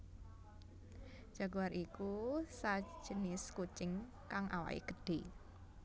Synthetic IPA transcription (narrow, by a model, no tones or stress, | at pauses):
ʒ̥a̤ɡwaɾʔikusḁʒ̥ənɪskut͡ʃɪŋ | kaŋʔa̰wa̰ʔḭɡ̥əɖ̥e